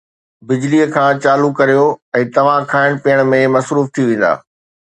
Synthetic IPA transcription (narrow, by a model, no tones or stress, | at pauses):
bɪd͡ʑliːəkʰãːt͡ɕaːlukɐɾijoɛ̃ːt̪ɐʋ̤ãkʰaːɪɽ̃piəɽ̃̆mẽmɐsɾuːft̪ʰiʋẽːn̆d̪a̰ː